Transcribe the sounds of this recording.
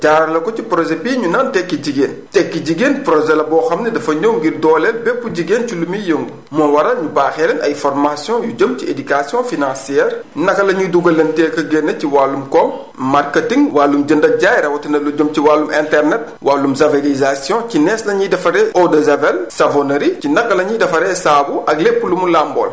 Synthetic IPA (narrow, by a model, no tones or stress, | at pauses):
caːɾɐlɐkɔcipɾɔʒebiːɲunantɛkːiɟiɡeːntɛkːiɟiɡeːnpɾɔʒɛlɐbɔːxɐmnɐdɐfɐɲowŋɡirdɔːlɛlbɛpːuɟiɡeːnculumijəŋɡ | mɔnwɐɾɐɲubaːxɛlɛnʔɐ̰jfɔrmasjɔ̃juɟəmciedykasjɔ̃finãsjɛːrnɐkːɐlɐɲuduɡɐlɐntɛːkɐɡenːɐciwalːumkɔŋ | marketiŋwalːumɟəndɐɟajɾɐwɐtɐnɐluɟəmciwalːumɛ̃ntɛrnɛt̚ | waːlːumzɐvelizasjɔ̃cinɛslɐɲidɐfɐɾɛɔdɐzɐvɛlsɐvonɐɾicinɐkːɐlɐɲidɐfɐɾɛsaːbuʔɐɡlepːulumulambɔ̰ːl